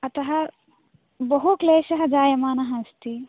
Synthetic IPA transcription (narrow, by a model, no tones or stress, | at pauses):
ɐt̪ɐɦɐ | bɐɦuk̪leːsɐɦɐd͡ʒaːjɐmaːnɐɦɐ̃st̪i